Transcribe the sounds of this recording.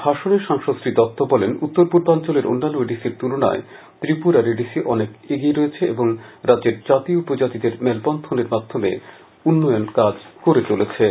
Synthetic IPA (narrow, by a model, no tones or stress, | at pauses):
bʱaʃoneʃaŋʃosɾid̪ɔt̪ːobɔlenut̪ːoɾpuɾbant͡ɕoleɾo̰nːanoeɖisiɾt̪ulona̰e | t̪ɾipuɾaɾeɖisiʔɔnekeɡieɾoet͡ɕʰeeboŋɾadd͡ʑeɾd͡ʑat̪ioupod͡ʑat̪id̪eɾmɛlpɔnt̪ʰoneɾmad̪ʱːomḛ | unːɔjonkad͡ʑkoɾet͡ɕolet͡ɕʰe